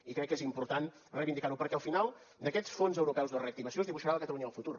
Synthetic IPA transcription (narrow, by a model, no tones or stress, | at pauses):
ikɾɛkːezimpuɾt̪an | rəjβind̪ikaɾupəɾkɛəlˠfinalˠ | d̪əkɛt̪sfonzəwɾupɛwzðreəkt̪iβəsiozðiβuʃaɾaləkət̪əluɲəəlˠfut̪ur